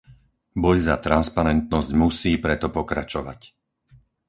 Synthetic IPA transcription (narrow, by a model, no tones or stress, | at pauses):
bɔjzat̪ɾanspaɾɛnt̪nɔzɟmusiːpɾɛt̪ɔpɔkɾat͡ʃɔʋa̰c